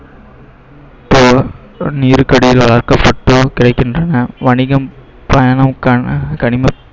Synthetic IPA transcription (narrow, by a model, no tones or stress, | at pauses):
ɪpːoː | niːɾɯkɐɽɪjɪlʋɐɭɐɾkɐpːɐʈːɯkɪɾɐɪkːɪndrɐnɐʋɐɳɪɣɐm | pɐjaːnɐmkɐkɐɳɪme